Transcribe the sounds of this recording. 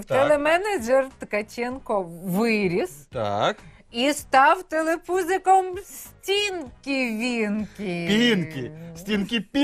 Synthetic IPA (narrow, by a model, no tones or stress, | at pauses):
wt̪ɛlˠɛmɛnɐd͡ʒɛrt̪kɐt͡ɕʲenkɔʋɪɾʲist̪a̰k | ist̪ɑwt̪ɛlˠepuzɪkɔmsʲtʲinkʲiʋʲinkʲɪpʲinkʲɪsʲtʲinkʲipʲi